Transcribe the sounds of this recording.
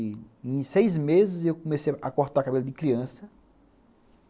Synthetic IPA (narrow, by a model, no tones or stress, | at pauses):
ẽj̃sejzmezɪzewkomesejʔakoɾt̪aɾkabelɐd̪ɪkɾiɐ̃sɐ